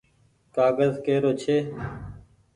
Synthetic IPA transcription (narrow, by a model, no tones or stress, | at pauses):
kaːɡəzkeːɾoːt͡ʃʰeː